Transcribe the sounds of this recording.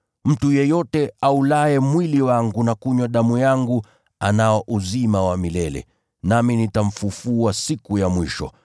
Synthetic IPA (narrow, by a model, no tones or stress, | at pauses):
m̩tujɛjɔtɛaulaɛmwiliwaŋɡunakuɲwaɗamujaŋɡu | anaɔʔuzimawamilɛlɛ̰ | naminitam̩fufuasikujamwiʃɔ̰